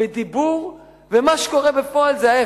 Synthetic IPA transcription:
ed̪ibuʁ | vemaʃe̥ko̞ʁebefoalzeaje

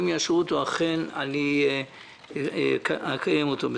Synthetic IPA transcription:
mjaʃʁutoaχenani | kkajemot̪obe

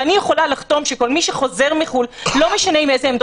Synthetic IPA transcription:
anijeχo̞lalaχt̪o̞mʃeko̞lmiʃeχo̞ze̞ʁmiχullo̞me̞ʃaneimezeːmd̪

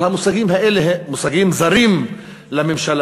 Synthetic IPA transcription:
hamusaɡimhaʔeleɦːusaɡimzaɾim | lamemʃal

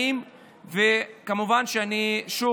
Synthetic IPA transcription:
im | vekamuvanʃeaniʃu

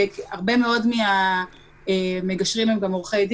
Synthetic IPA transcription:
kaʁbe̞meo̞dmia | emeɡaʃʁimemɡamuʁχaidi

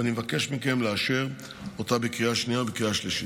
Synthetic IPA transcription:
animevake̞ʃmike̞mleaʃeʁ | o̞tabekʁiaʃniaobekʁiaʃliʃi

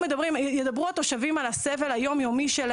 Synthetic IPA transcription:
ed̪abʁimjed̪abʁuat̪o̞ʃavimalasevelhajo̞mjo̞miʃel

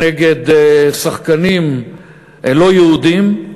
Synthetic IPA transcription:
eɡed̪saχkanim | elo̞jeud̪im

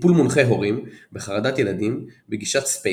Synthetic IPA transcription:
pulmunχe̞jɦo̞ʁimbeχaʁad̪at̪je̞lad̪imbeɡiʃat̪spe

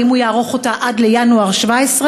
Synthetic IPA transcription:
imujaːʁoχotaʔadlejanuaʁʃvaesʁe

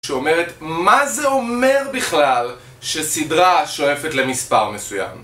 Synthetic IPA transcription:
ʃeo̞me̞ʁetmazeo̞me̞ʁbiχlal | ʃesidʁaʃo̞e̞fe̞tle̞mispaʁmesuja̰m

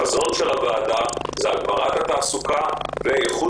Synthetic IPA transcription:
azo̞nʃelavaːdazeaɡmaʁat̪hat̪aːsukaveeχu

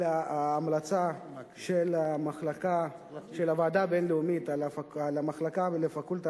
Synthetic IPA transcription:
aaːmlat͡sa | ʃelamaχlaka | ʃelavaːd̪abenleumit̪alalamaχlakavelefakult̪a

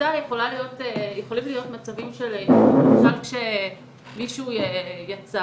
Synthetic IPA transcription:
ajeχo̞lalijo̞tejeχo̞limlijo̞tmat͡savimʃeleʁakkʃe | miʃuːjejat͡sa

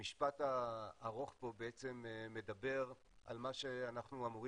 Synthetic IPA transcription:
iʃpataːʁo̞χpo̞beet͡se̞mːe̞dabe̞ʁ | ʔa̰lmaʃe̞anaχnuamuʁi

